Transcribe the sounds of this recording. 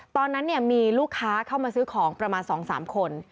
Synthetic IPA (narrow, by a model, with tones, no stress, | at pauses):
t̪ɔː˧nːa˦˥nːi˥˩ɐmiː˧luː˥˩kʰːaː˦˥kʰa˥˩wmaː˧sɯː˦˥kʰɔː˩˦ŋpɾa˧maː˧nsɔː˩˦ŋsa̰ː˩˦mkʰo˧n